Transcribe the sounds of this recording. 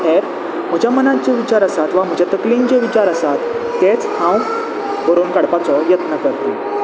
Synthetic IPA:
ɦeɾ | m̤əd͡ʑʱamənad͡ʑeʋit͡ɕaɾəsat̪ʋam̤əd͡ʑʱat̪əklĩnd͡ʑeʋit͡ɕaɾəsat̪ː | et͡shãw̃ | bʱəɾuːnkaɽpat͡sɔjət̪nəkəɾt̪o

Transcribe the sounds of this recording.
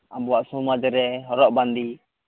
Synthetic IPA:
abɔwaʔsumad͡ʒəɾɛɦɔɾɔʔband̪i

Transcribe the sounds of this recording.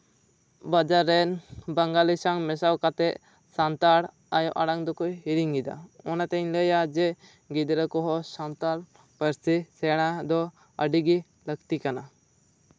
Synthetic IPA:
bəd͡ʒaɾːɛnbəŋɡalisaŋmɛsawkat̪ɛʔ | sant̪aɽ | ajɔʔaɽaŋd̪ɔkujɦiɾiŋɡid̪a̰ɔnat̪ɛɲləjad͡ʒɛ | ɡid̪ɾəkɔɦɔsant̪aɽ | pəɾsisɛɽ̃ad̪ɔ | əɖiɡi | ləkt̪ikana

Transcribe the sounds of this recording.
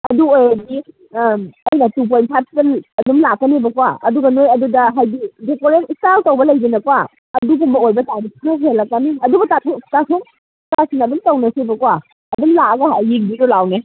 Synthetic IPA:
ɐduojadi | ɐjnatup̬ojnpʰaskelɐdumlakːɐnebɐkwaɐ̰duɡɐnojɐdudɐɦajbidekoɾenistaltowbɐlɐjbinɐkwa | ɐdubumbɐojbɐtajbipʰuɾas̬ʰelakːaniɐdubutatʰutasum | kasinaɐdumtɔwnɐsebɐkwa | ɐdumlaɡahajeŋ̚biɾɔlawne

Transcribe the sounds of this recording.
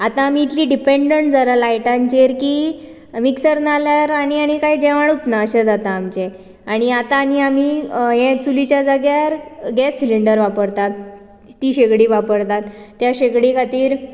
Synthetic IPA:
at̪ãːm̤iːt̪liɖipeɳɖəɳʈd͡zəɾəlajʈãɲt͡ɕeɾkiː | miksəɾnaljaɾaɽ̃iaɽ̃ikaɦid͡ʑɛʋaɽut̪naəɕad͡zat̪aːmt͡ɕe | aɽ̃iat̪ãːniam̤iɦẽt͡sulit͡ɕjad͡zəɡjaɾɡɛsːiliɳɖəɾʋapəɾt̪at̪̚ː | iːɕekɽiʋapəɽt̪at̪ːjaɕekɽikʰat̪iːɾ

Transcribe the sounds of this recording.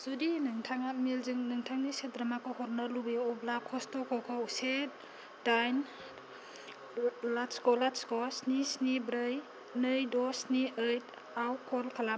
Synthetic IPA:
z̥udinɯŋtʰaŋat̚melzɯŋnɯŋtʰaŋnisedɾamakɔhɔɾnalubeɔblakʰɔstɔkʰɔkʰɔwset̚ | dajn | laskɔlaskɔsnisnibɾɯj | nɯjdɔsniʔɯjt̚ | awkʰɔlkʰala

